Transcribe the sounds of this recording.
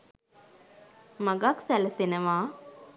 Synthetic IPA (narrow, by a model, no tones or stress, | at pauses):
maɡaksæləsenəʋaː